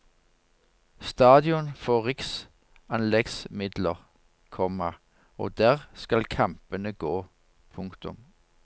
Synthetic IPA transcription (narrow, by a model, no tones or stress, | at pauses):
st̪ɑːd̪ɪɔnfoːʁɪks | ɑnlɛɡsmɪd̪ləʁ | kʰɔmːɑ | o̰ːd̪æːʁskɑlkʰɑmpənəɡoː | pʰʊŋkt̪ʊ̰m